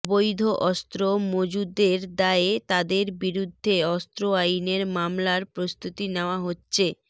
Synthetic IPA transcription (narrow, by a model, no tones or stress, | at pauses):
bojd̪ʱoʔɔst̪ɾomod͡ʑud̪eɾd̪aet̪ad̪eɾbiɾud̪ʱːeɔst̪ɾoajneɾmamlaɾpɾost̪ʰut̪ineoaɦotːɕʰe